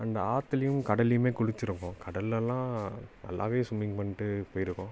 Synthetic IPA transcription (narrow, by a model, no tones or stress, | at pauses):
ɐnd̪ɐaːt̪ːɪlɐjɯmkɐɽɐlɪjɯmeːkʊɽʊt͡ʃːɪɾɯŋɡõːkɐɽɐlːɛlːãːnɐ̰lːʔa̰ːʋeːsʊmːɪŋɡpɐɳːɪʈːɯpoːjɪɾɯkːõː